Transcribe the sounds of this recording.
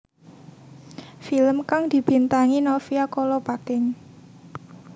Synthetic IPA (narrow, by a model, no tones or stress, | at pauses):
filəmkaŋd̪̥i̤b̥i̤nt̪aŋinɔfiakolɔpakɪŋ